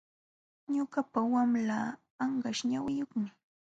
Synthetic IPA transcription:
ɲʊɢapawamlaː | ɴɢɑʃɲawɪjoχmɪ

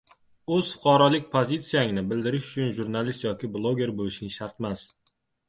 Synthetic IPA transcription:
ɵz̥fʊ̥qʰɑɾɒlɪk̚ʲpʰozit̪sijaŋnɪbɪld̪ɪɾɪʃʊt͡ʃʰʊnʒuɾnalist̪jɒkʲɪblˠoɡʲe̞ɾbolɪʃɪŋʃaɾt̪mas

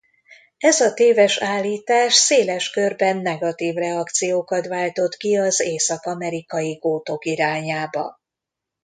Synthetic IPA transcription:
ɛzɒt̪eːvɛʃaːlːiːt̪aːʃseːlɛʃkørbɛnːɛɡɒt̪iːvrɛɒkt̪sijoːkɒt̪ʋaːlt̪o̞t̪kiɒzeːsɒkɒmɛɾikɒjiɡoːt̪o̞kiɾaːɲaːbɒ̰

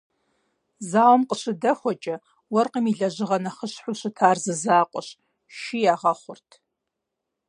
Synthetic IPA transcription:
zaːwmqʼəɕɨdɐxʷɔt͡ʃʼɐ | wɐrqimiɮɐʑɨʁɐnɐχəɕħʷʊɕɨtʰaːrzɨzaːqʷʼɔɕ | ʃijaːʁɐχʷʊrtʰ

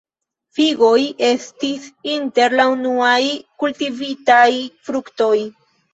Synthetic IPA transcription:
fiɡo̞je̞stisinte̞ɾlaunuajkultivitajfɾukto̞j

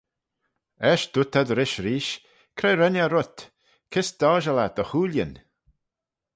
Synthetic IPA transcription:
ɛʃd̪̥ʊt̪ʰad̪əɾɪʃɾiːʃ | kʰɾɛjɾɛnʲaɾʊt̪ | kʰɪsd̪̥ɔːʒəlat̪əxuːljən

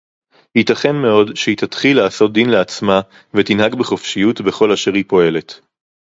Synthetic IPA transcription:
hitɐχe̞nme̞o̞dʃeit̪atχilːaːso̞t̚d̪inleat͡sma | vet̪inhaɡbeχofʃijutbe̞χo̞laʃeʁhipo̞e̞le̞t

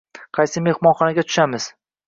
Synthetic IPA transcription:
qʰɑjsɪme̞hmɒnχɒnaɡʲat̪ʰʊ̥ʃamɪz̥

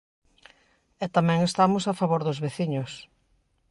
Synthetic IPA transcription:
ɛt̪amɛ̃ŋest̪amʊsafaβoɾðʊzβeθiɲʊs

